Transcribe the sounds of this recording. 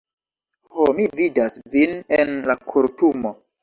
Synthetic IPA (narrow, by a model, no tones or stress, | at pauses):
homividasvinenlakʰuɾtumo